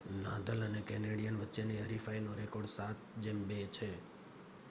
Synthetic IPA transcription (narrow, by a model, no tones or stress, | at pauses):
na̰d̪ələnekɛneɽijənʋətːʃeniəɾifainoɾekoɾɖsat̪̚d͡ʒembet͡ʃʰe